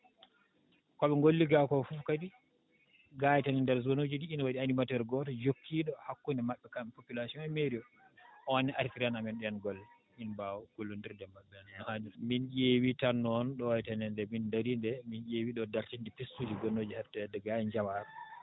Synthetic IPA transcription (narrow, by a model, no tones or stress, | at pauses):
kɔɓɛŋɡolːiɡakɔfuːkadi | ɡaːjɛtanindɛɾzonod͡ʒidiːnwaɗianimatɛɾɡɔtɔd͡ʒokːiɗɔhakːunɛmaɓːɛkampopulasiɔ̃nɛmeɾiɔ | ʔɔwaniʔaɾfiɾanamɛnɗɛɛnɡɔl | inbawɔkulːundiɾdɛmaɓːɛnhaduminjewitanːɔnɗɔwajɛtanɛndɛmindaɾindɛminjewiɗɔdaɾt͡ʃindipisːud͡ʒiɡɔnːod͡ʒihatːɛdɛɡajiɲd͡ʒawaɾɔ